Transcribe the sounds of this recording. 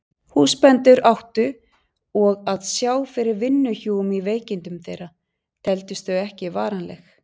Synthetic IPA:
huspɛnt̪ʏɾawht̪ʏ | ɔɣaðsjaːwfɪɾɪɾvɪnːʏçuːʏmiveːjcɪnt̪ʏmθejɾa | t̪ʰɛlt̪ʏst̪θœɥɛhcɪvaːɾanlɛ̰x

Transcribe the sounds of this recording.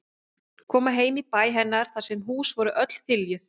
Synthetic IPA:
kʰɔːmaɦeːjmipaːjɦɛnːaɾ̥θasɛmɦuːsvɔɾʏʔœt̪l̥θɪljʏθ

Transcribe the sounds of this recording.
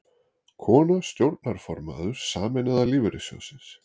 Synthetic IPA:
kʰɔːnast̪jowɾt̪̚naɾ̥fɔɾma̰ːðʏɾ̥saːmɛnɪðaliːvʏɾɪsjɔ̰sɪns

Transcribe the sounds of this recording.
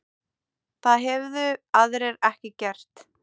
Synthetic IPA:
θaðɦɛvðʏaðɾɛɾɛhcɪcɛr̥t̪

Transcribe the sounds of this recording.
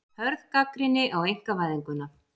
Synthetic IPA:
hœɾðkakɾɪnːɪʔawejŋ̥kavaːjðiŋkʏnːa

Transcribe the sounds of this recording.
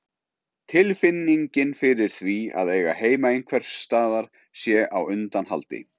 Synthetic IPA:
t̪ʰɪlfɪnːiɲcɪnfɪɾɪɾ̥θvia̰ðeːjɣa̰ɦeːjmaɪnkʰvɛr̥t̪aːðaɾ̥ | sjɛʔawʏnt̪anha̰lt̪ɪ̰

